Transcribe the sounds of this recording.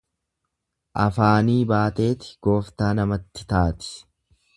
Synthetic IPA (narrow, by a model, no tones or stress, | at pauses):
ʔɐfaːniːbaːt̪e̞ːt̪ɪ̥ɡ̥o̞ːft̪aːnɐmɐt̪ːɪ̥t̪aːt̪ɪ̥